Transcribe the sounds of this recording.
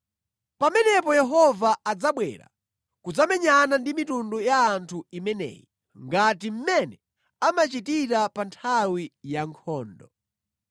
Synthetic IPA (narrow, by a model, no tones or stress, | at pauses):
pamɛnɛpɔjɛɦɔvaːd͡zaɓwɛ̰ɾa̰ | kud͡zamɛɲanandimitundujaːntʰuimɛnɛ̰ji | ŋɡatim̩mɛnɛ | amat͡ʃitiɾapantʰawijaŋkʰɔːndɔ